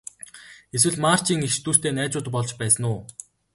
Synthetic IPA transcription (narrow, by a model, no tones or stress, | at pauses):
es̬wɘ̆ɮmaːr̥t͡ɕiːŋext͡ɕt̪uːst̪eːnæːt͡sʊːt̪pɔɮt͡ɕpæːsə̆nʊː